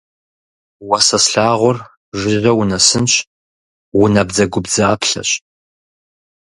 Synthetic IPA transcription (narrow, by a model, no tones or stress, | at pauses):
wɐsɐsɬaːʁʷʊr | ʒʷɪrɐwʊnɐsɨnɕ | wʊnɐbd͡zɐɡʷʊbzaːpʰɬɐ̰ɕʼ